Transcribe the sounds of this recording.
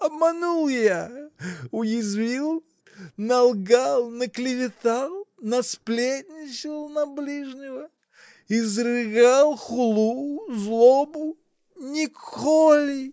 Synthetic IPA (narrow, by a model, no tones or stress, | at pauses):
ɐbmanulˠja | ʊjɪzvʲilˠ | nɐlˠɡalˠnəklʲɪvʲɪt̪alˠnɐsplʲet̪ʲnʲɪt͡ɕɪlˠnɐblʲiʐnʲɪvə | ɪzrɨɡalˠxʊlˠuzlˠobʊ | nʲɪkolʲɪ